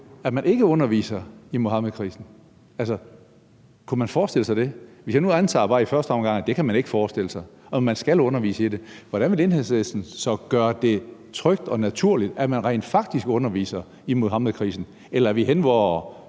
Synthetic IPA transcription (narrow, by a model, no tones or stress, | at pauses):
æmænʔe̝ɡ̥əɔ̽nɐʋḭːsɐimohɑ̈məð̩ˠkʰʁḭːsn̩ | ælsɐ | kʰumænfɒːsd̥e̝l̰əsɑɪd̥e̝ʋe̝sjɑnuænt͡sʰɑ̰̈ːb̥ɑ̈ːifɶɐsd̥əɒ̽mɡ̥ɑ̈ŋ̰d̥e̝kʰæmæne̝ɡ̥əfɒːsd̥e̝ləsɑ̈ɪɒ̽mːænsɡ̥ælɔ̽nɐʋḭːsəiɾe̝ʋɒɾænʋe̝le̝nɦeðˠsʋesn̩sɒ̽ɡ̥ɶːɐd̥e̝t͡sʰʁœɡ̥̚d̥ɒ̽næt͡sʰuɐ̰lid̥æmænʁɛ̰ɪnd̥fɑ̈ɡ̥̚d̥isɡ̥ɔ̽nɐʋḭːsɐ | imoɦɑ̈məð̩ˠkʰʁḭːsn̩ | elɐæɐʋiɦenʋɒʊ